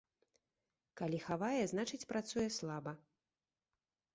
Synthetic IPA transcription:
kalʲixavajɛznat͡ʂɨt͡sʲpɾat̪sujɛslˠabɐ

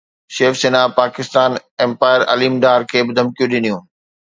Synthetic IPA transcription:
ʃeːfseːnapaːkɪst̪aːnẽmpaːɪəɾɐ̰liːmɖaːɾkʰeːbɪd̪ʱɐmkijũɗɪnijũː

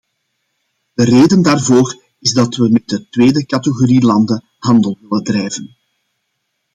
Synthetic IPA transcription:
d̥əreːdəndaːrvoːr | ɪzdɑtʋəmɛt̚dətʋeːdəkɑtəɣoɾilɑndə | hɑndəlˠɪləndrɛjvən

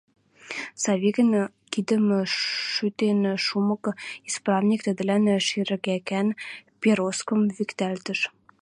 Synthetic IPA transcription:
sɑβʲiɣə̆n | kid̪ə̆mʃyt̪enʃumɤ̆kisprɑvnʲik̚t̪ə̆d̪ɘ̆lænʃiɾɘ̆ɣækænpʲeɾoskɤ̆mvikt̪ælt̪ə̆ʃ

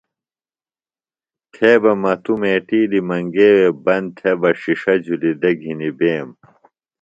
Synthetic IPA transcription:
t̪ʰeːbɐmɐt̪umeːʈiːd̪imɐŋɡeːwebɐnd̪t̪ʰebɐʂiʂɐd͡ʑulid̪ɐɡʱinibeːm

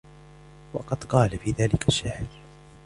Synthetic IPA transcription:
wɑqɑd̪qɑːlafiːðaːlɪkʰaʃːahl

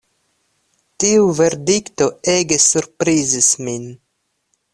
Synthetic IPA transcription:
tiuve̞ɾdikt̪o̞eɡe̞suɾpɾizismin

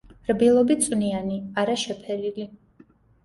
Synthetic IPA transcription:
ɾbilˠɔbit̪sʼwnianiaɾaʃɛpʰɛlili

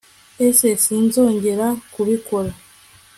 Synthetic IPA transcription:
esesinzo̞ːɲɟe̞ɾakuβikoɾa

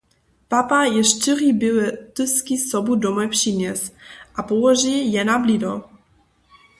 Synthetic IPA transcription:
papajɛʃt̪ɪribiwɛt̪ɨskisɔbud̪ɔmɔjpʂimʲjɛsʔapɔwɔʒijɛnablid̪ɔ

